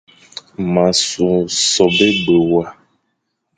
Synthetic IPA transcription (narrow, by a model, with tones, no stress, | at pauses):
mã˨so˨sɔ˨be˦ɡ͡be˨wa˦